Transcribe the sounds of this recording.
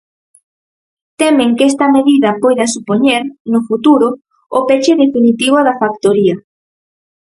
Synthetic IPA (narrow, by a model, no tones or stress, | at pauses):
t̪emẽŋkest̪ɐmeðiðɐpojðɐsupoɲeɾnʊfut̪uɾʊː | pet͡ʃeðefinit̪iβ̞oðafak̚t̪oɾia